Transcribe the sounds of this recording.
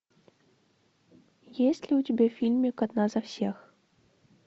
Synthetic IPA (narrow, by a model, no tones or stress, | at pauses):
jesʲtʲlʲiutʲɪbʲefʲilʲmʲikɐd̪nazɐfsʲex